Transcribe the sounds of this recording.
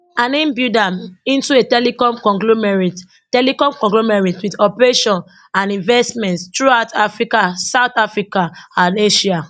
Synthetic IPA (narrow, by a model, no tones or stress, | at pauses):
ãnĩmbidãmĩntuetɛlikɔ̃mkɔ̃ŋɡlomɛɹit | tɛlikɔ̃mkɔ̃ŋɡlomɛɹitwiðɔpɹeʃɔ̃n | ãnĩɱvɛstmɛ̃ntstɹuaʊtʰafɹikasaʊθafɹikaãneʃia